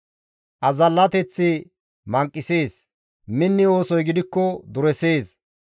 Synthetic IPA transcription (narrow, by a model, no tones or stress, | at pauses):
ʔɐzɐlːɐt̪ɛt͡sːɪ | mɐŋkʼːɪseːs | mɪnːɪo̞ːsɔjɡɪd̪ɪkːɔd̪ʊɾɛse̞ːs